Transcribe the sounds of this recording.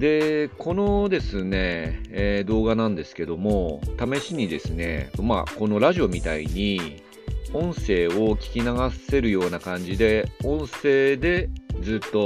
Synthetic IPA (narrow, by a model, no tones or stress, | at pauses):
d̪e̞kʰo̞no̞d̪e̞sɨne̞ | d̪o̞ːɡanãnd̪e̞sɨ̥ke̞d̪o̞mo̞t̪ame̞ɕiɲ̟id̪e̞sɨne̞̰oma̰ko̞no̞ɾaʑio̞mʲit̪aḭɲ̟i | õ̞ɰ̃se̞ːokʲi̥kʲinaɡase̞ɾɯ̟jo̞ːnakãɲ̟d͡ʑid̪e̞õ̞ɰ̃se̞ːd̪e̞d͡zɨːt̪ːo̞